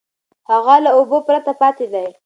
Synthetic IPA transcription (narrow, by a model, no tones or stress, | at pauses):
haɣalaobopɾat̪apɑt̪ed̪aj